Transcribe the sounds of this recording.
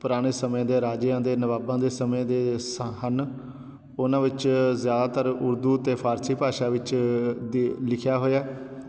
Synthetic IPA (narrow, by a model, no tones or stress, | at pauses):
pʊɾaːɽ̃eːsəmjãːd̪eːɾaːd͡ʒjãːd̪eːnəʋaːbãːd̪eːsəmẽd̪eːsɦən | ʊnãːʋɪt͡ʃzjaːd̪aːt̪əɾʊɾd̪uːt̪eːpʰaːɾsiːpaːʃaːʋɪt͡ʃd̪ilɪkʰjaːɦoːjaː